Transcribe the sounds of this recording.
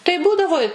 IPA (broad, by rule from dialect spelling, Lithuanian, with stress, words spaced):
tɐɪ ˈbuːdɐʋoː ɪ